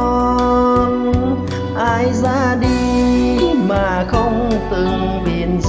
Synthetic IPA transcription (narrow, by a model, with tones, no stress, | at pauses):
n | ʔaː˧jzaː˧˥ɗi˧ | maː˨˩xə˧wŋ͡mt̪ɨ˨˩ŋ | ɓḭ˨˧˩ənz